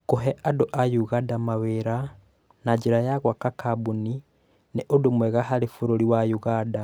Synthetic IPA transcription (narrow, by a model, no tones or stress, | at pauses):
koɦɛʔadoʔajuɣadamaweɾa | naɟeɾajaɣwakakʰabuni | neʔodomwɛɣaɦaɾefoɾoɾiwajuɣada